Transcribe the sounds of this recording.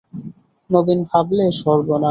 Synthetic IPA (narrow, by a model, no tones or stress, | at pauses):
nobinbʱableʃɔɾbona